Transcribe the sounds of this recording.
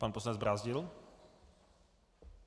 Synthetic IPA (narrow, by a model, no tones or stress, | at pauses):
paːnposlanɛd͡zzbɾaːzɟɪl